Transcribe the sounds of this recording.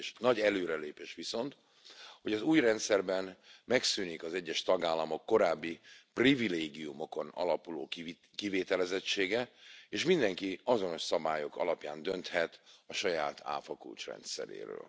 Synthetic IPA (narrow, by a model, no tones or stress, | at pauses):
ʃnɒɟɛløːɾɛleːpeːʃʋiso̞nt̪ | ho̞ɟɒzuːjrɛnt̪sɛrbɛnmɛksyːnikɒzɛɟːɛʃt̪ɒɡaːlːɒmo̞kːo̞ɾaːbːiprivileːɡijumo̞ko̞nɒ̰lɒpuloː | kiveːt̪ɛlɛzɛt͡ʃːeːɡɛeːʃmind̪ɛŋkiɒzo̞no̞ʃsɒbaːjo̞kɒ̰lɒpjaːnd̪ø̞nt̪hɛt̪ɒʃɒjaːt̪ʰa̰ːfɒkṵlt͡ʃrɛ̰nt̪sɛ̰ɾḛːɾø̰ːl